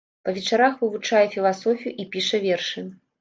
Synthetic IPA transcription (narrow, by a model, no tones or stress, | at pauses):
pɐvʲɛt͡ʂaɾaxvɨvut͡ʂajɛfʲilˠasɔfʲijuʔipʲiʂɐvʲɛrʂɨ